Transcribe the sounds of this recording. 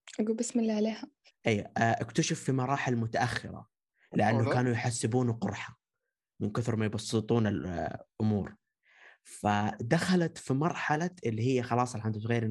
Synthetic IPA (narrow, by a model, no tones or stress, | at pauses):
ʔaɡuːlbɪsmɪlːiʕaleːha | ʔajwaʔakt̪aʃafːimɑɾˤɑːħɪlmʊt̪aʔaxːɪ̰ɾa̰ | lɪʔanːʊkaːnujħasːɪbuːnqʊɾˤħa | mɪnkɪθɾmajbɑsˤːɨt̪ˤuːnɪlʔʊmuːɾ | fad̪axalat̪fimɑɾˤħalaʔɪlːiɦɪjːaxɑlɑːsˤɑlħand̪at̪ɣaːɾɪ